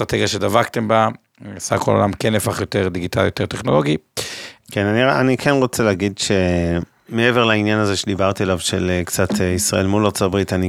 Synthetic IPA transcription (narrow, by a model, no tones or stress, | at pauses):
t̪ʁat̪eɡjaʃe̞d̪avakt̪emba | asa̰kʰololamkenefaχjo̞t̪eʁd̪iɡita̰ljot̪eʁt̪eχno̞lo̞ɡi | kenanianikʰenʁot͡seleːɡidʃe | meeveʁlainjanazeʃed̪ibaʁt̪ialavʃelekt͡sat̪ʰeisʁa̰ʔe̞lmulat͡sotbʁit̪ani